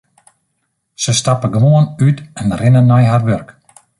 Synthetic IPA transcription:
səstapəɡəʋoənytɛnrɪnənːɔjɦarʋørk

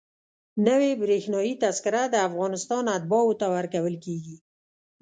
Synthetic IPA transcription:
nəwebɾexnɑjit̪askɪɾad̪əafɣɑnɪst̪ɑnat̪̚bɑwʊt̪awaɾkawəlkeɡi

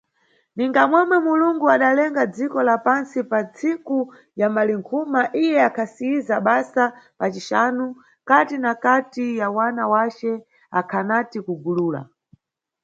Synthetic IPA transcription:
niŋɡamwɛmwɛmuluŋɡuaɗalɛŋɡad͡zikɔlapansipat͡sʰiku | jamaliŋkʰumaʔijɛakʰasiizaɓasapat͡ʃiʃanu | katinakatijawanawat͡ʃɛ | akʰanatikuɡuluːla̰

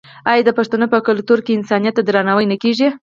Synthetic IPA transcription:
ɑjɑd̪əpaʂt̪anopəkʊlk̚t̪uɾkeɪnsɑnijat̪ːad̪ɾanawəjnəkeʒi

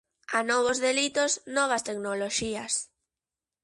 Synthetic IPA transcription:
anɔβ̞ozðelit̪osnɔβ̞ɐst̪eknoloʃiɐs

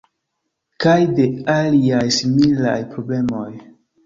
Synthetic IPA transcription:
kajde̞aliajsimila̰jpɾo̞ble̞mo̞j

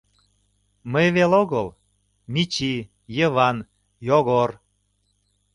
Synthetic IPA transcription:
məjβeloɣəl | mit͡ɕi | jəβɑn | joɣor

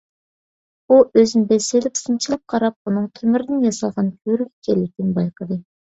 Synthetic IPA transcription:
uʔøznbɛselɪpsɨnt͡ʃʰilˠɨp̚qʰɑɾɑp̚unɨŋt̪ʰømyɾɪd̪ɪnjɑsɑlˠʁɑnkʲʰøɾyɡʲɛ̥kʲʰɛlːɪk̚ʲt̪ɪnbɑjqʰəd̪ɨ

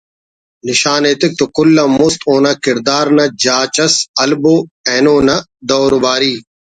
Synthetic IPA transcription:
nɪʃaːneːt̪ɪk̚t̪okʊlːɐmʊst̪oːnɐkɪɾd̪aːɾnɐd͡ʒaːt͡ʃɐsɐlboɛːnoːnɐ | d̪oːɾbaːɾiː

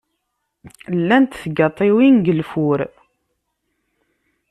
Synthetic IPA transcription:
lːænt̪θɡɑt̪ˤːiwinɡəlfʊɾ

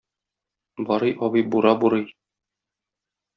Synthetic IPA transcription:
bɒɾɤjʔɒbɤjbuɾɑbuɾɤj

